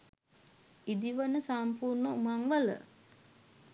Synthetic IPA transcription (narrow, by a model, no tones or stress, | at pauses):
id̪iʋənəsampuːrnəumaŋʋələ̰